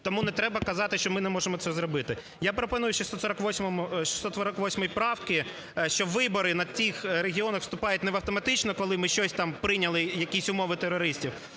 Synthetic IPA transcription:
t̪ɔmunɛt̪ɾɛbɐkɐzɑt̪ɪʃt͡ʃɔmɪnɛmɔʒemɔtsɛzɾɔbɪt̪ɪ | japɾɔpɔnujʊʃist̪ɔsɔɾɐkʋɔsʲmɔmʊʃi̥st̪ɔsɔɾɐkʋɔsʲmɔjpɾɑwkɪ | ʃt͡ʃɔʋɪbɔɾɪnɐt͡sʲixɾeɦʲiɔnɐxʋst̪ʊpɑjʊtʲnɛʋɐwt̪ɔmɐt̪ɪt͡ʃnɔkɔlˠɪmɪʃt͡ʃɔsʲt̪ɑmpɾɪnʲɐlˠɪjɐkʲisʲʊmɔʋɪt̪eɾɔɾɪsʲtʲiw

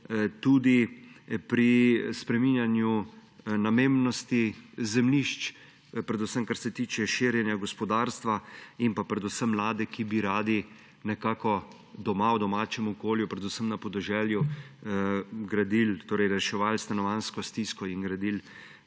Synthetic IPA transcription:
t̪uːd̪ipɾispɾɛminjanjunameːmnɔst̪izɛmliʃt͡ʃ | pɾɛd̪usəmkaɾsɛt̪iːt͡ʃɛʃiːɾjɛnjaɡɔspɔd̪aːɾst̪ʋaimpapɾɛd̪usəmːlaːd̪ɛkibiɾaːd̪i | nɛkaːkɔ | d̪ɔmawd̪ɔmaːt͡ʃɛmɔkoːljupɾɛd̪usəmnapɔd̪ɛʒɛːlju | ɡɾad̪ilt̪oːɾɛjɾɛʃɛʋaːlst̪anɔʋanskɔst̪iskɔinɡɾad̪il

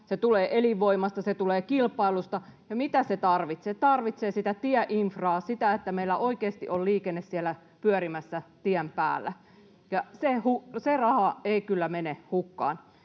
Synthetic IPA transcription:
set̪uleːʔeliʋːoimɑst̪ɑset̪uleːkilpˑɑilust̪ɑjɑmit̪æset̪ɑrʋit̪set̪ɑrʋit̪seːsit̪æt̪iæʔiɱfrɑːsit̪æet̪ːæmeilːæʔoikeːst̪iʔolliːkenːessielæ | pyœɾimæsːæt̪iæmpæ̰ːlːæ | jɑsehuserɑhɑeikylːæmenehukːɑ̰ːn

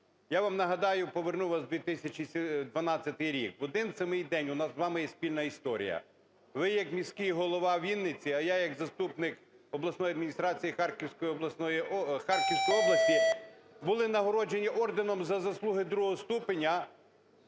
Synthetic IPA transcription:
jaʋamnɐɦɐd̪ɑjʊpɔʋernuʋɐsd̪ʲʋʲit̪ɪsʲɐt͡ʃʲisʲd̪ʋɐnɑt͡sʲːɐt̪ɪjɾʲikʋɔd̪ɪnsʲɐmɪjd̪ɛnʲʊnɑszʋɑmɪjɛsʲpʲilʲnɐist̪ɔɾʲḭjɐ̰ | ʋɪjɐkmʲisʲkijiɦɔlˠɔʋɑʋʲinːɪt͡sʲiɐjajɐɡzɐst̪upnɪk | ɔblˠɐsnɔjɐd̪mʲinʲist̪ɾɑt͡sʲijixɑrkʲiwsʲkɔjiɔblˠɐsnɔjixɑrkʲiwsʲkɔjɔblˠɐsʲt̪ʲibʊlˠɪnɐɦɔɾɔd͡ʒe̞nʲiʔɔrd̪ɪnɔmzɐzɐslˠuɦɪd̪ɾuɦɔɦɔst̪upenʲɐ

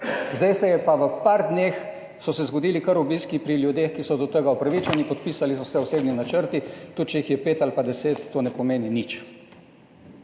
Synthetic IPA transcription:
zd̪ajsɛjɛpaʋəpaɾd̪neːx | sɔsɛzɡɔd̪iːlikəɾubiskipɾiljud̪eːxkisɔd̪ɔt̪əɡaupɾaʋit͡ʃanipɔt̪̚piːsalis̬ɔsɛɔseːbninat͡ʃəɾt̪it̪ut̪̚t͡ʃɛjixjɛpeːt̪alipad̪ɛseːt̪ːoːnɛpɔmeːninit͡ʃ

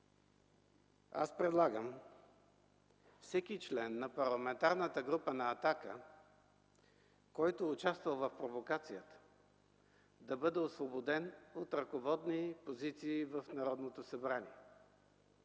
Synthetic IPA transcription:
a̰spɾɛd̪lˠaɡəm | fsɛkit͡ʃlɛnːɐpɐɾlˠɐmɛnt̪aɾnət̪əɡɾupənɐːt̪akə | kɔjt̪oːt͡ʃast̪vɐlˠvɐfpɾovokat̪sijət̪ə̥ | d̪ɐbɤd̪ɛosvobod̪ɛnot̪ɾɐkovɔd̪nipozit̪siːvəfnɐɾɔd̪not̪osɐbɾaniɛ

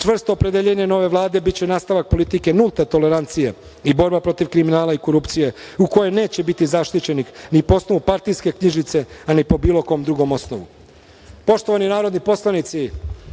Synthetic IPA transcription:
t͡ʃr̩st̪oːpɾe̞d̪eʎe̞ɲeno̞ʋe̞ʋlˠaːd̪e̞bitt͡ɕe̞naːst̪aʋak̚po̞lit̪ike̞nulˠt̪et̪o̞le̞ɾant̪sije̞ | ibo̞ɾbapɾo̞t̪iʋkɾiminaːlaiko̞ɾupt̪sije̞uko̞jene̞ːt͡ɕe̞bit̪izaʃt̪it͡ɕe̞nixnipoosno̞ʋupaɾt̪ijske̞kɲiʒit̪se̞anipo̞biːlo̞ko̞ːmd̪ɾuɡo̞mo̞snoʋṵ | po̞ʃt̪oʋaninaːɾod̪nipo̞slˠanit̪si

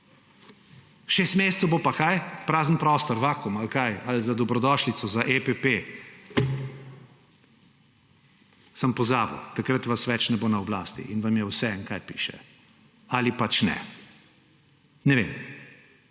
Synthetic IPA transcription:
ʃeːst̪meːst̪səwbopakajpɾaːzənpɾɔːst̪ɔɾʋakɔmalkajalzad̪ɔbɾɔd̪ɔʃlit̪sɔzaʔepepe | sampɔzaːbḭwt̪akɾət̪ʋasʋɛt͡ʃnɛboːnaɔblaːst̪ḭʔinʋamjɛwsɛŋkajpḭːʃɛ̰ | alipat͡ʃnɛ̰ | nɛʋḛm

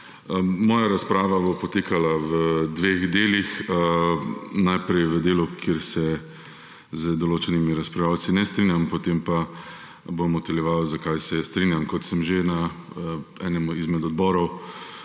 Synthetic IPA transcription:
əmɔːjaɾaspɾaːʋabopɔt̪eːkalawəd̪ʋeːɣd̪eːlixə | najpɾɛjʋəd̪eːlukʰjeɾsɛ | zəd̪oloːt͡ʃɛnimiɾaspɾawt͡s̪inɛst̪ɾinjampɔt̪empa | bomɔt̪ɛljɛʋawzakajsɛst̪ɾinjamkɔt̪səmʒena | ɛːnɛmuizmɛd̪ɔd̪bɔːɾɔw

